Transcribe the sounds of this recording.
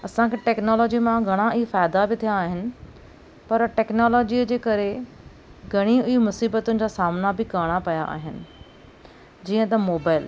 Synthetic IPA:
ɐsãkʰeːʈɛːknoːlɔːd͡ʑimãɡʱɐɽ̃aɪifaːɪd̪abɪt̪ʰijaːɦɪnɪ̆ | pɐɾʈɛːknoːlɔːd͡ʑiəd͡ʑeːkɐɾe | ɡʱɐɽ̃iʊimʊsiːbət̪ʊnɪ̆d͡ʑaːsaːmnabɪkaːɽ̃apɐja̰ʔa̰ːɦɪnɪ̆ | d͡ʑiːə̃t̪ɐmoːbaːɪl

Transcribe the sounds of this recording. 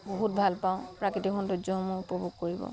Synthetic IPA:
bɔɦut̚bʱalpaʊ̃pɾakitiɦʰɔndud͡ʒɔɦɔmuupɔbʱuɡ̚koɹibɔ̰

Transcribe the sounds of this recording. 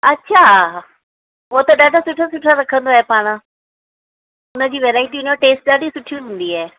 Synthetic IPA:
ɐtːɕʰaː | ɦot̪ɐɗaːɖʱasʊʈʰasʊʈʰaɾɐkʰə̃nd̪oaɦepaːɽ̃ə̃ | ʊnə̆d͡ʑiːʋeːɾaːɪʈiʊnoʈeːsʈ̚ɗaːɖʱisʊʈʰijũɦũːn̆d̪iaɦː

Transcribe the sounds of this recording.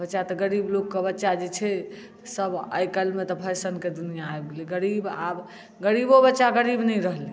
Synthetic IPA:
bətːʃat̪ɔɡəɾiblokːebətːʃad͡ʒet͡ʃʰɛ | səbə̰jkəlmet̪ɔpʰəsənked̪unijaːebɡeliɡəɾibab | ɡəɾibobətːʃaɡəɾibnɛjɾəɦli

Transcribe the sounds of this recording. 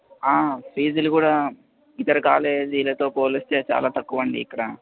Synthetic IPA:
aːpiːd͡ʒɐlukuːɽaː | it̪ɐɾɐkaːleːd͡ʒiːlɐt̪o̞ːpoːlist̪eːt͡ʃa̰ːlaːt̪ɐkːuʋɐɳɖḭːkːɐɽɐ

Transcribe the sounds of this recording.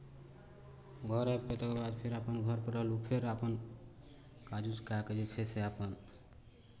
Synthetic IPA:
ɡʱʌɾapɾet̪ekebad̪pʰeɾapənɡʱʌɾpəɾʌlupʰeɾapən | kad͡ʒuskaked͡ʒet͡ʃʰɛseapən

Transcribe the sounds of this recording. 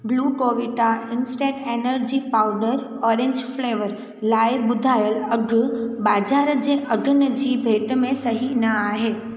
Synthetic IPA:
ɡluːkoːʋɪʈaɪnsʈeːʈeːnəɾd͡ʑipaːʊɖəɾ | ɔːɾẽɲd͡ʑfleːʋəɾ | laːɪɓʊd̪ʱaːjəlɐɡʱʊbaːd͡ʑaːɾd͡ʑeːʔɐɡʱənə̆d͡ʑiːbʱeːʈmẽsɐɦinɐaːɦeː

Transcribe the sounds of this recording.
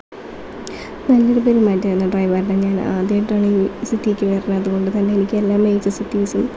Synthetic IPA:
nɐlːoɾup̬eɾumaːitːɨɐnːɐɖrɐjʋɐːɾɳɐɲaːna̰ːd̪jɐjʈːaːɳisitːiekʲːɨʋeːrnːɐɐðuɣo̞ɳɖɨt̪ɐnːe̞enikʲːɨe̞lːaːmːejt͡ɕːɐsitːiːsum

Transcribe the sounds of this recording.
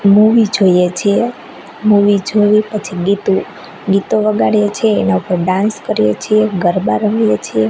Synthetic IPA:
muʋid͡ʒʱojet͡ʃʰie | muʋid͡ʒʱoʋipət͡ʃʰiɡit̪u | ɡit̪oʋəɡaɽijet͡ʃʰieːnaupəɾɖãnskəɾijet͡ʃʰieɡəɾbaɾəmjet͡ʃʰie

